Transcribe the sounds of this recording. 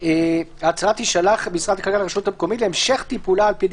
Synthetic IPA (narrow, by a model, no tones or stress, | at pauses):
eat͡sʁat̪iʃalaχbisʁat̪akalkalaʁeʃuthamko̞mitleemʃeχt̪ipulaːlpid